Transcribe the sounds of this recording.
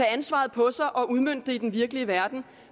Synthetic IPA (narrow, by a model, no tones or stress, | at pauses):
ɛænsʋɑ̰̈ːð̞̩ˠpʰɒ̽sɑ̈ɪʔɒ̽ʔuð̞ˠmøn̰d̥ːe̝id̥enʋiɐɡ̥əliəʋæɐd̥n̩